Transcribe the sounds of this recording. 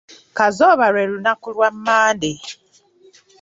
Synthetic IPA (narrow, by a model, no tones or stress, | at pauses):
kazɔβaɾɛɾunakulwam̩maːnde